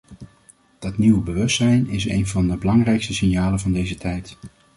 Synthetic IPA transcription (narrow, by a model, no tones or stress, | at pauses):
d̥ɑtniwəbəʋɵstsɛjnɪs̬ḛjnvɑndəbəlɑŋrɛjkstəsɪnjaːlənvɑndejzətʰɛjt